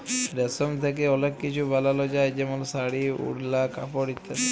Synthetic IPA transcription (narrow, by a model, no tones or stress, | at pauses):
ɖɛsomt̪ʰek̬eɔlekːit͡ʃʰubʱalalod͡ʒajd͡ʒɛmolsaɽiṵɽlaka̰poɽit̪ʰːa